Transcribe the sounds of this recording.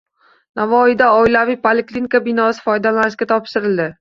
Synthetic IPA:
navɒhɪd̪aɒjlavɪjpʰolɪklinikabɪnɒsɪ̥fɒjd̪alanɪʃkʲat̪ʰɒpʃɪɾɪld̪ɪ

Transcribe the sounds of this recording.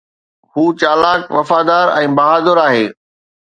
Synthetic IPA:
huːt͡ɕaːlaːkʋɐfaːd̪aːɾɛ̃ːbɐɦaːd̪əɾaːɦeː

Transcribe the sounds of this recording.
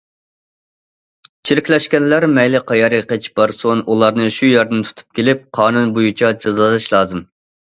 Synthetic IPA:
t͡ʃʰiɾɪkʲlɛʃkʲɛnlæɾmɛjlɪqɑjɑɾeqət͡ʃʰbɑɾsonʔulˠɑɾnɨʃujæɾd̪ɪnt̪ʰu̥t̪ʰu̥p̚kʲʰelɪp̚qʰɑːnunbojut͡ʃʰɑd͡ʒɑzlˠd̪ɨʃlˠɑːzɨm

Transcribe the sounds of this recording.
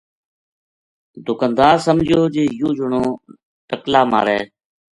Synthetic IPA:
d̪ʊkənd̪aːɾsəmd͡ʒjoːd͡ʒeːjũːd͡ʒʊɳõː | ʈəklaːma̰ːɾɛː

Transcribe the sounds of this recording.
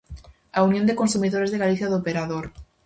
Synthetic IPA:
aunjond̪ekonsumiðoɾe̞zðeɣaliθjaðopeɾaðoɾ

